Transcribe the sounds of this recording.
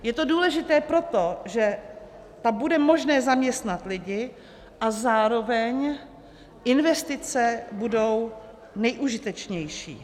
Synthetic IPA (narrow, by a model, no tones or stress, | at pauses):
jɛt̪o̞duːlɛʒɪt̪ɛːpɾo̞t̪o̞ʒɛ | t̪abudɛmo̞ʒnɛːzamɲɛst̪nat̪lɪɟɪ | ʔazaːɾo̞vɛɲ | ʔɪnvɛst̪ɪt͡sɛbudo̞w | nɛjʔuʒɪt̪ɛt͡ʃɲɛjʃḭː